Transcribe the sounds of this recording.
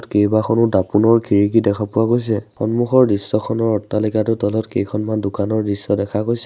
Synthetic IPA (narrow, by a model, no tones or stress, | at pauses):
tkejbaxʰɔnʊdapunɔɹkʰiɹik̬idɛkʰapʊakojs̬ɛxɔnmuxɔɹdisːɔkʰɔnɔɹɔtːalikatʊdɔlɔtkejkʰɔnmandʊkanɔɹdisːɔdɛkʰakojsɛ